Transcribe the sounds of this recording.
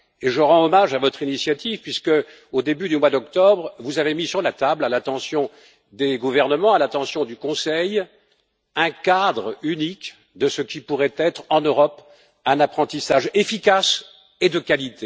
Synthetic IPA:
eʒəʁɑ̃ɔmaʒavɔt̪χinisjat̪ivpɥiskə | od̪ebyd̪ymwad̪ɔkt̪ɔbʁvuzavemisyʁlat̪ablalat̪ɑ̃sjɔ̃ | d̪eɡuvɛʁnəmɑ̃alat̪ɑ̃sjɔ̃d̪ykɔ̃sɛj | ɛ̃kad̪ʁynik | d̪əsəkʲipuʁɛt̪ɛt̪χɑ̃nøʁɔp | ɛ̃napχɑ̃t̪isaʒefikas | ed̪əkalit̪e

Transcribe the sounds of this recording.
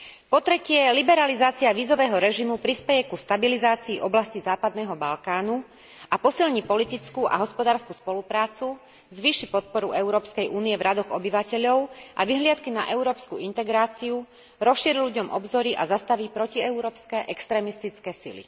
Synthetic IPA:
pɔt̪ɾɛcɪɛlibɛɾalizaːt͡siaʋiːzɔʋɛːɦɔɾɛʒimupɾispɛjɛkust̪abilizaːt͡siːʔɔblascizaːpad̪nɛːɦɔbalkaːnu | apɔsilɲipɔlit̪it͡skuʔa̰ɦɔspɔd̪aːɾskuspɔlupɾaːt͡su | zʋiːʃipɔt̪̚pɔɾuɛʊɾɔːpskɛjʔuːniɛvɾʔad̪ɔɣɔbiʋacɛʎɔʊʔa̰ʋiɦlɪat̪kinaʔɛʊɾɔːpskuint̪ɛɡɾaːt͡siu | ɾɔsʃiːɾilʎuɟɔmʔɔbzɔɾiʔazast̪aʋiːpɾɔciɛʊɾɔːpskɛːʔɛkst̪ɾɛːmist̪it͡skɛːsḭlḭ

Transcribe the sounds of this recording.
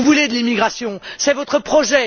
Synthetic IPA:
uvuled̪əlimiɡʁasjɔ̃sɛvɔt̪χəpχɔʒɛ

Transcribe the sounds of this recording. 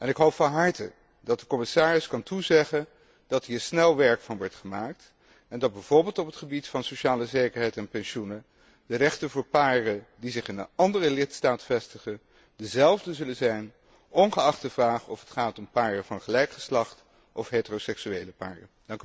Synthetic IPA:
ɛnɪkɦowpfɑnɦɑɹtə | dɑt̚dəkɔmɪsaːɹɪskɑntuzɛχən | d̥ɑtɦiːɹsnɛlˠʋɛɹkfɑnʋɔɹtχəmaːk̚t | ɛndɑd̚bɛjv̥ʊːɹbɪːlˠtɔpətχəbitfɑnsoʃaːləzejkəɹɦɛjtɛnpɛnʃunə | dərɛχtənvʊːɹpaːrədizɪχɪnənɑndərəlɪtstaːtfɛstəχən | dəzɛlˠvdəzɵlənzɛjn | ʔɔnχəɑχtəvraːχɔfətχaːtɔmpaːrəvɑnχəlɛjkχə̥slɑχt | ʔɔfɦeːtərowsɛksyejləpa̰ːrədɑŋk

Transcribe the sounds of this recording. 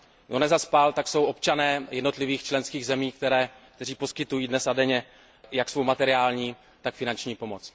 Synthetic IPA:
onɛzaspalt̪akso̞wʔo̞pt͡ʃanɛːjɛdno̞t̪lɪviːxt͡ʃlɛnskiːɣzɛmiːkt̪ɛɾɛːk̚t̪ɛriːpo̞skɪt̪ujiːdnɛsadɛɲɛ | jaksvo̞wmat̪ɛɾɪaːlɲiː | t̪akfɪnant͡ʃɲiːpo̞mot͡s

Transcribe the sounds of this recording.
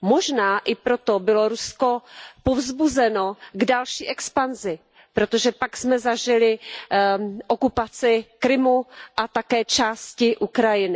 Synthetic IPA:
mo̞ʒnaːʔɪpɾot̪obɪlo̞ɾuskopovzbuzɛnoɡdalʃiːʔɛkspanzɪ | pɾot̪oʒɛpaksmɛzaʒɪlɪ | ʔokupat͡sɪkɾɪmuʔat̪akɛːt͡ʃaːscɪʔukɾajɪnɪ

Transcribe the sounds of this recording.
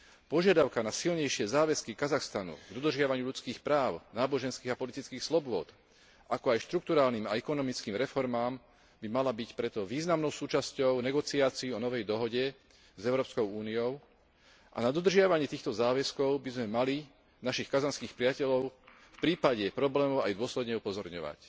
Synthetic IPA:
pɔʒɪad̪aʊkanasilɲɛjʃɪɛzaːʋɛskikazaxst̪anṵɡd̪ɔd̪r̩ʒɪaʋaɲɪuʎut͡skiːxpɾaːʊnaːbɔʒɛnskiːɣapɔlit̪it͡skiːxslɔbʊɔ̰t̪ | ʔakɔajʃt̪ɾuk̚t̪uɾaːlniːmaɛkɔnɔmit͡skiːmɾɛfɔɾmaːm | bimalabicpɾɛt̪ɔʋiːznamnɔʊsuːt͡ʃascɔʊnɛɡɔt͡siaːt͡siiɔnɔʋɛjd̪ɔɦɔɟɛ | zɛʊɾɔːpskɔʊuːnijɔʊ | ʔa̰nad̪ɔd̪r̩ʒɪaʋaɲɪɛt̪iːxt̪ɔzaːʋɛskɔʊbizmɛmali | naʃixkazanskiːxpɾɪacɛʎɔʊ | fpɾiːpaɟɛpɾɔblɛːmɔʊajd̪ʊɔslɛd̪ɲɛupɔzɔɾɲɔ̰ʋa̰c

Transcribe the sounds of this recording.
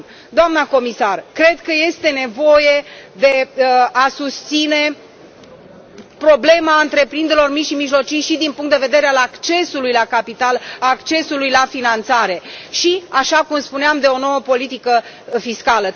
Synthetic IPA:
d̪oamnəko̞misarkɾe̞d̪kəje̞st̪e̞ne̞vo̞je̞d̪e̞asust̪sine̞ | pɾo̞ble̞maɨnt̪ɾe̞pɾind̪eɾelo̞rmiʃimiʒlo̞t͡ʃijʃid̪inpuŋkt̪d̪e̞ve̞d̪e̞ɾealakt͡ʃe̞sulujlakapit̪alakt͡ʃe̞sulujlafinant̪saɾe̞ʃiaʃakumspuneamd̪e̞o̞no̞wəpo̞lit̪ikə | fiskalə

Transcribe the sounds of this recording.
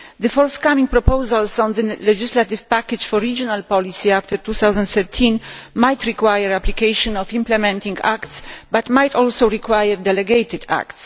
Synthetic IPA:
d̪ɨfɔɾskamĩŋk̚pɾɔpowzalsɔ̃nd̪əlɛd͡ʒislat̪ivpakɛd͡ʒfɔɾːid͡ʒɔnalpɔlisiaft̪ɛɾt̪uθawzãnt̪θɛɾt̪ʰĩnmajt̪ɾikwajɛɾaplikejʃɔ̃nɔfĩmplɛmɛ̃nt̪ĩŋɡa̰kt̪sbat̪majt̪ʰɔlsowɾikwajəɾd̪ɛlɛɡejt̪ɪd̪a̰kt̪s

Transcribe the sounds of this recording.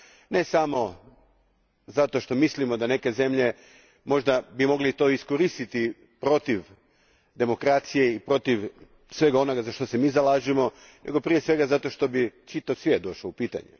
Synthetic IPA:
ne̞samo̞ | zat̪oʃt̪o̞mislimo̞d̪ane̞ke̞ze̞mʎe̞ | mo̞ʒd̪abimo̞ɡlit̪o̞ːiskoɾist̪it̪i | pɾo̞t̪iʋ | d̪e̞mo̞kɾat̪sije̞ipɾo̞t̪iʋ | sʋe̞ɡao̞no̞ɡazaʃt̪o̞semiːzalaːʒimo̞ | nʔe̞̰ɡo̞pɾijesʋe̞ɡazat̪o̞ʃt̪o̞bit͡ʃit̪aʋsʋjed̪o̞ʃloupiːt̪a̰ɲḛ

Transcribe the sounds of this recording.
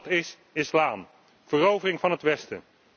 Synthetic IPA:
tɪs | ɪslaːm | v̥ərowvərɪŋvɑnɦətʋɛstə̰

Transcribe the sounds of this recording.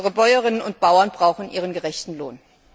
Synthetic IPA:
əʁəbɔʏəʁɪnənʊnt̚b̥aʊɐnbʁaʊxn̩ʔiːʁənɡəʁɛçtn̩lo̰ːn

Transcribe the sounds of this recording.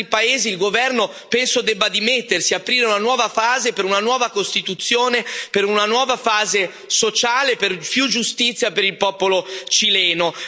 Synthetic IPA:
ipaeːziːlɡovɛrno | pɛnsod̪ɛbːad̪imet̪ːersiapɾiːɾeunanwɔːvafaːzepeɾunanwɔːvakost̪it̪ut̪sːjoːnepeɾunanwɔːvafaːze | sot͡ʃaːleperpjud͡ʒːust̪it̪sjapeɾilpɔːpolot͡ʃilɛːno

